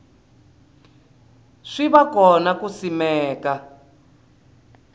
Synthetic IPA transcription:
ʂiβakɔnakusimɛːka

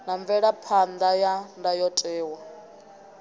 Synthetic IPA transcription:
naɱvɛɺapʰand̪ajandajɔtʼɛːwa

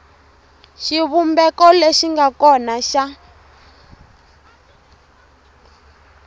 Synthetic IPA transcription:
ʃiβumbɛkɔleʃiŋɡakɔnaʃa

